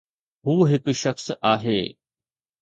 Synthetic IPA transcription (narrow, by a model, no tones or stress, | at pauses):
ɦuːɦɪkʃɐxsaːɦeː